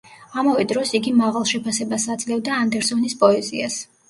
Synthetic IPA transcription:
amavɛd̪ɾɔsiɡimaʁalˠʃɛpʰasɛbasad̪zlɛvd̪aːnd̪ɛɾsɔnispʼɔɛzias

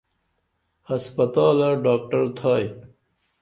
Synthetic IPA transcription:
hɐspɐt̪aːlaɖaːk̚ʈɐɾt̪ʰaːj

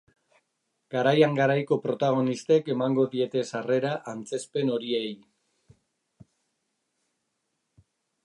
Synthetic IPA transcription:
ɡ̥aɾajaŋɡaɾajko̞pɾo̞t̪aɣ̞o̞nist̪e̞ke̞maŋɡo̞ðie̞t̪e̞sare̞ɾaʔant͡se̞spe̞no̞ɾiej

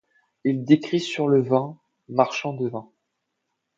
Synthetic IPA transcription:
ild̪ekχisyʁləvɛ̃ | maʁʃɑ̃d̪əvɛ̃

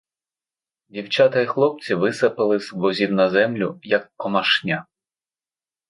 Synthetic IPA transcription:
dʲiwt͡ʃɑt̪ɐixlˠɔp̚t͡sʲiʋɪsɐpɐlˠɪzʋɔzʲiw̪nɐzɛmlʲʊjɐkːɔmɐʃnʲa

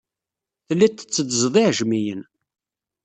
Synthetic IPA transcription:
θəlːæt̪ːə̥t͡sːəd̪zðˤiʕʒmijən

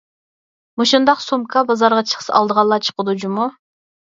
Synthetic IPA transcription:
muʃund̪ɑqsumkʰɑbɑzɑɾʁɑt͡ʃʰə̥χʰə̥sɑ̰lˠd̪əʁɑlˠːɑt͡ʃʰə̥qəd̪ud͡ʒumu

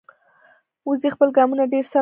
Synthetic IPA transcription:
uzixpəlɡɑmunaɖeɾsa

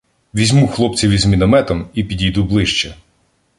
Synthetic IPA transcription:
ʋʲizʲmuxlˠɔpt͡sʲiʋʲizʲmʲinɐmɛt̪ɔmipʲidʲijd̪ublˠɪʃt͡ʃɛ

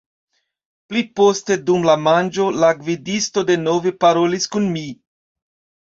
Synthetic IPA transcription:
plipo̞ste̞dumlamand͡ʒo̞laɡvidisto̞de̞no̞ve̞paɾo̞liskunmi

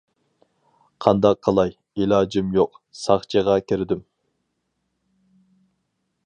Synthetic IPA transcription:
qʰɑnd̪ɑqʰːɑlˠɑj | ilɑːd͡ʒimjoqsɑχt͡ʃʰəʁɑkʲʰeɾɪd̪ym

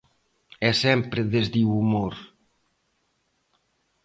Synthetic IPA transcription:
ɛsɛmpɾeðezðiwumoɾ

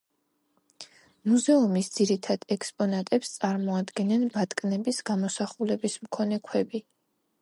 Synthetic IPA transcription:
muzɛumisd̪z̥iɾit̪ʰad̪̥ɛkspʼɔnat̪ʼɛpst̪sʼaɾmɔad̪ɡɛnɛnbat̪ʼkʼnɛbisɡ̥amɔsaχulɛbismkʰɔnɛkʰwɛbi

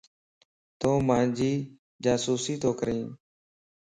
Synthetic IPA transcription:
t̪õːmãːnd͡ʒiː | d͡ʒaːsuːsiːt̪ʰoːkəɾĩː

